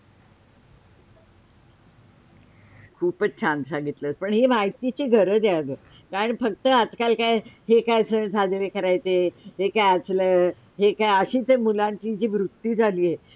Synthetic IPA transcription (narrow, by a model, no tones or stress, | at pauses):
kʰuːpət͡ɕʰant̪saŋɡit̪ləːt͡spəɳɦemajt̪it͡ɕiːɡʱəɾəd̪jaɭd̪əː | kaɾəɳfək̚t̪əat̪kalkajɦekajsəɳd͡zʱad̪ʋekəɾajt͡s̪eɦekajət͡sləː | ɦekajəɕiːt̪emulãɲt͡ɕid͡ʑiːʋɾut̪ːiːd͡zʱaliːɦe